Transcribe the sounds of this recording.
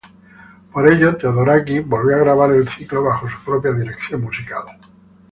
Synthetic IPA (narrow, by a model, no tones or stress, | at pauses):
poɾe̞ʎot̪aðoɾakibo̞lβoaɣɾaβ̞aɾe̞lθikloβ̞axos̬u̥pɾopjaðiɾekθjommusikal